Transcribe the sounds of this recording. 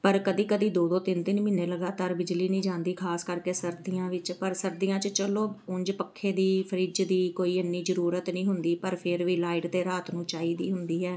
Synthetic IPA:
pəɾkəd̪iːkəd̪iːd̪oːd̪õːt̪ɪnt̪ɪnmɪneːləɡaːt̪aːɾbɪd͡ʒliːnĩːd͡ʒãːnd̪iːkʰaːskəɾkeːsəɾd̪ijãːʋɪt͡ʃpəɾsəɾd̪ijãːt͡ʃət͡ʃəloːʊ̃ɲd͡ʒpəkʰːeːd̪iːpʰəɾɪd͡ʒd̪iːkoːiːənːiːzəɾuːɾət̪nĩːɦʊnd̪iːpəɾpʰɪɾʋiːlaːɪɖd̪eːɾaːt̪nũːt͡ʃaːiːd̪iːɦʊnd̪iːɦɛː

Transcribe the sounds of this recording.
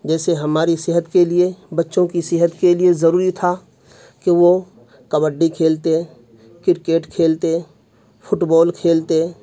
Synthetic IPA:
d͡ʒɛːseɦɐmaːɾisɪɦət̪keliebɐtːʃõkisɪɦət̪keliezɐɾuːɾit̪ʰa | keʋo | kɐbəɖːikʰeːlt̪e | kɪɾkeːʈkʰeːlt̪e | fʰʊʈbɔːlkʰeːlt̪e

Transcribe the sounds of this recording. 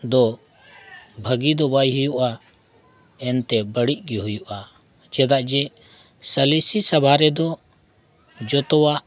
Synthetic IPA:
d̪ɔ | bʱəɡid̪ɔbajɦujuʔa | ɛnt̪ɛbəɽiʔ̚ˀɡiɦujuʔa | d͡ʒɛd̪aʔd͡ʒɛ | səlisisabʱaɾɛd̪ɔ | d͡ʒɔt̪ɔwa

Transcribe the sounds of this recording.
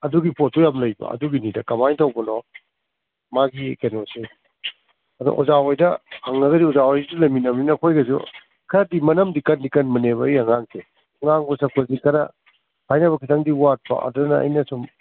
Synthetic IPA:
ɐduɡipʰot̚ujamlɐjbɐ̰ɐ̰duɡinidɐkɐmajtʰɐwbɐnɔ | maɡikenosi | ɐdṵʔɔzaojdɐhaŋɐɡɐdiɔzawojsidulɐminɐmninɐkʰojɡɐsṵ | kʰɐɾadimɐnɐmdikɐndikɐnmɐneβɐijɐŋaŋsʰe | ŋaŋbɔsɐkʰozikʰɐɾɐ̰ | pʰajnɐβɐkʰitʰaŋdiwat̚pɐ̰ʔɐ̰dɐnɐɐ̰jnɐsum

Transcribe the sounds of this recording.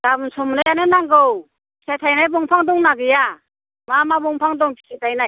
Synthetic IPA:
ɡabnsɔmnɯjanɯnaŋɡɯwʰ | isʰajtʰajnajbɔŋpʰaŋdɔŋnaɡɯja | mamabɔŋpʰaŋdɔŋpʰi̥sʰajtʰajnaj

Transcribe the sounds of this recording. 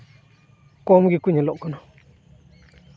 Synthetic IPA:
komɡikuɲilokuno

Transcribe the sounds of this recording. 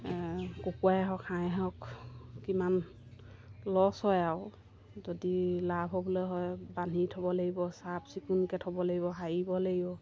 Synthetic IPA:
kokuajɦɔkʰaɦɔkkiman | lɔsɔjaʊ | zodilabʱɦɔbɔlɔjɦɔjbanitʰɔbɔlaɡibɔsabsikunkɛtʰɔbɔlaɡibɔɦajibɔlaɡibɔ

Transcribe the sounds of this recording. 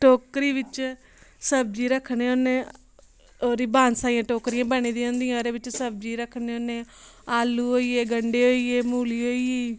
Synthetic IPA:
ʈoːkɾiːʋɪt͡ʃ | səb̚d͡ʒiːɾəkʰːneːonːẽː | ɾiːbaːnsaːjãːʈoːkɾijãːbaːniːd̪ĩːõːnd̪ijãɾeːʋɪt͡ʃsəb̚d͡ʒiːɾəkʰːneːonẽːaːluːɦoːiːeːɡəɳɖeːɦoːiːeːmuːliːɦoːiːjeː

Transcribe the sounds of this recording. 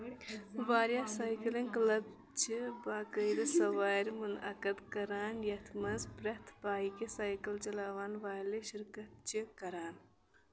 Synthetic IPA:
ʋaːɾjaːsaːjkɐlɐnklɐb̚ | t͡ʃibaːkɐjɾɨsɐʋaːɾmunɐ̰kɐd̪kɐɾaːnjɐt̪ʰmɐnzbɾɐt̪ʰbaːikesaːjkɐlt͡ʃɐlaːʋaːnʋaːleʃiɾkɐt̪̚t͡ʃikɐɾaːn

